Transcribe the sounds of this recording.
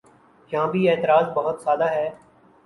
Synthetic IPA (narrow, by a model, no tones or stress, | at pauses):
jɐɦãːbʱieːt̪əɾaːzbɐɦʊt̪saːd̪aɦɛː